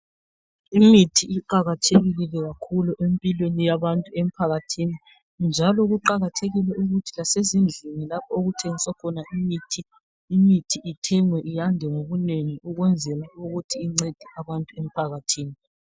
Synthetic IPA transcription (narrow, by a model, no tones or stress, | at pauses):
imitʰiːǃaɣatʰeɣililɛɣakʰuluʔempʼilwenijaβantʼuem̩pʰaɣatʰini | nd͡ʒʱalɔɣuǃaɣatʰeɣilɛʔuɣutʰilasezind͡ɮʱiŋilapʰɔoɣutʰeŋisɔkʰɔnaʔimitʰiː | mitʰiʔitʰɛŋwɛʔijandʱɛŋoβuneŋiuɣwɛnd͡zʱɛlauɣutʰiːŋ͡ǀed̥ʱɛaβantʼuem̩pʰaɣatʰiːni